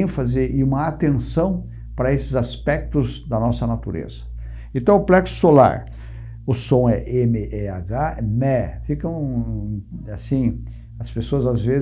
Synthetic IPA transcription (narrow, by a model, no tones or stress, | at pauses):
ẽfɐzɪɪũmɐat̪ẽsɐ̃w̃ | pɾɐesɪzaspɛk̚t̪ʊzd̪ɐnɔsɐnat̪uɾḛz̥ɐ | ẽnt̪ɐ̃w̃ʊplɛksʊ̥sola̰ɾ | ʊsõɛʔemɪʔɛaɡaɛmɛfikɐ̃w̃ | asĩ | ɐspesoɐzazvez